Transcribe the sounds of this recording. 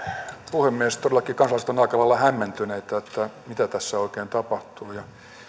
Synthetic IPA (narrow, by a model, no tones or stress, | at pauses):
puhemːieest̪odelɑkikɑnsɑlɑˑst̪enɑikɑlɑlːɑhæmːent̪yneit̪æet̪ːæmit̪æt̪æsːæoikeːnt̪ɑpɑht̪uːjɑ